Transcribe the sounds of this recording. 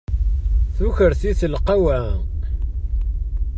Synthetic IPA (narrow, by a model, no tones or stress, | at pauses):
θuçəɾθiθəlqːawæ